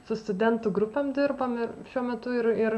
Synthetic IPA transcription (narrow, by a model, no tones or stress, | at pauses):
sʊst̪ʊd̪ʲɛnt̪ʊːɡɾʊpʲɛmd̪ʲɪrbɐmɪɾʃʲuɔmʲɛt̪ʊɪɾɪr